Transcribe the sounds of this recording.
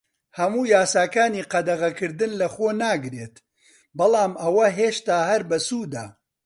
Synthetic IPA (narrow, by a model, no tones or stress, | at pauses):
hɐmuːjaːsaːkaːniːqɐd̪ɐɣɐkɨɾd̪ɨnlɐxoːnaːɡɾeːt̪ | bɐlˠaːmʔɐwɐɦeːʃt̪aːhɐɾbɐsuːd̪a̰ː